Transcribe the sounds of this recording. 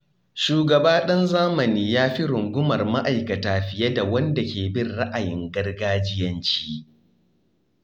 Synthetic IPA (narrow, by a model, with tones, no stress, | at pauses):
ʃuː˨ɡɐ˨baː˦ɗɐ˦nzaː˦mɐ˨niː˦jaː˦ɸi˦ɾʊ˨ŋɡʷʊ˦mɐ˨rma˦ʔa˨jkɐ˨taː˨ɸɪ˨jɐ˦da˨wɐ˦nda˨kʲeː˨bɪ˦rɽa˦ʔa˨jɪ˨ŋɡɐ˦rɡaː˦d͡ʒɪ˦jɐ˦nt͡ʃi̥ː˦